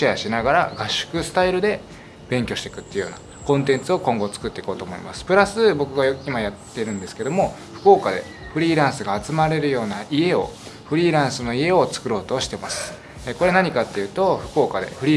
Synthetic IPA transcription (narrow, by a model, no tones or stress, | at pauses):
iaɕinaɡaɾaɡaɕːɨ̥kɯ̟sɨ̥t̪aiɾɯ̟d̪e̞ | b̥ẽ̞ŋkʲo̞ɕi̥t̪e̞̥kɯ̟t̪ːeiɯjo̰ːna̰ | kõ̞nt̪ẽ̞nt͡sɨo̞kõ̞ŋɡo̞t͡sɨ̥kɯ̟t̪ːe̞iko̞ːt̪oːmo̞ḭmasɨ̥pɯ̟ɾasɨbo̞kɯ̟ɡaoimajat̪ːe̞ɾɯ̟̃nd̪e̞sɨ̥ke̞d̪o̞mo̞ | ɸɯ̟̥ko̞ːkad̪e̞̰ | ɸɯ̟ɾʲiːɾãɰ̃sɨɡaːt͡sɨmaɾe̞ɾɯ̟jo̞ːnaie̞o̞̰ɸɯ̟ɾʲiːɾãɰ̃sɨno̞ie̞o̞t͡sɨ̥kɯ̟ɾo̞ːt̪oːɕi̥t̪e̞masɨ̥ | eko̞ɾe̞naɲ̟ikat̪ːe̞jɯ̟ːt̪o̞ɸɯ̟̥ko̞ːkad̪e̞̰ɸɯ̟ɾʲiː